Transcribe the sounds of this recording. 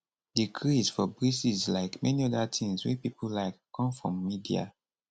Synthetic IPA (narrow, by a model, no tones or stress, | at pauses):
dikʰɹizfɔbɹisizlaɪkmɛniɔdatʰĩŋswḭpipəllaɪkːɔ̃mfɹɔ̰̃mːidḭa̰